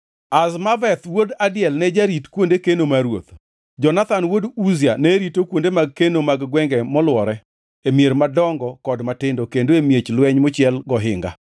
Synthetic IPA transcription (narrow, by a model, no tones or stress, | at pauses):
asmavɛt̪wodadɪjɛlnɛd͡ʒaɾitkwondekenomaɾwot̪ | d͡ʒɔnat̪anwoduzianɛɾitokwondemaɡ̚kenomaɡɡwɛŋɡɛmɔlwɔɾɛ | emjeɾmadɔŋɡɔkɔdmatɪndokendoemjet͡ʃlwɛɲmʊt͡ʃɪɛlɡɔɦɪ̰ŋɡa̰